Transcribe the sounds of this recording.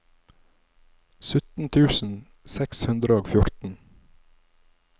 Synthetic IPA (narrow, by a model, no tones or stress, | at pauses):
sʉt̪n̩t̪ʰʉːsn̩ | sɛkshʉnd̪ɾəoːɡfjʊɾt̪n̩